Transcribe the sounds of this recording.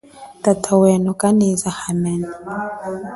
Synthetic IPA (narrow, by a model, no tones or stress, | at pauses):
tatʰawɛnɔkʼanizahamɛna